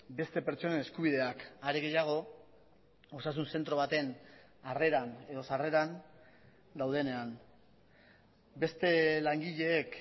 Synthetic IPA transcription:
be̞st̪e̞pe̞ɾt͡ʃo̞nene̞skuβ̞iðe̞akaɾeɣe̞jaɣ̞o̞ | o̞sas̬unse̞nt̪ɾo̞βat̪e̞n | are̞ɾane̞ðo̞sare̞ɾan | d̪awð̞e̞ne̞an | be̞st̪e̞laŋɡiʎe̞ːk

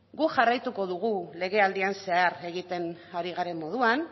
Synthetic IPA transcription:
ɡuʝarajt̪uko̞ðuɣule̞ɣe̞ald̪ianse̞aɾe̞ɣit̪e̞n | aɾiɣaɾe̞mːo̞ð̞uan

